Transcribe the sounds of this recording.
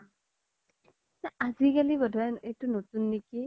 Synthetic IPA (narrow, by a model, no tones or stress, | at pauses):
naaziɡalibɔdʱajetunot̪unːiki